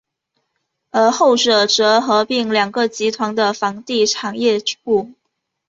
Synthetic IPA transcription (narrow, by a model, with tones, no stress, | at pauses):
ə˞˧˥xo˥˩ʊʈ͡ʂɤ˨˩ʈ͡ʂɤ˧˥xɤ˧˥pi˥˩ŋljɑ˨˩ŋɡə˧˦t͡ɕi˧˥t̪ʰwɑ˧˥ŋd̪ə˧fɑ˧˥ŋt̪i˥˩ʈ͡ʂʰɑ˨˩ŋjɛ˥˧u˥˩